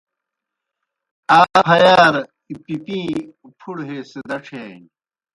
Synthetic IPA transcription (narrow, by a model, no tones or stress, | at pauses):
aːɦɐjaːɾ | pipĩː | pʰuɽɦeːsed̪ɐʈ͡ʂʰeː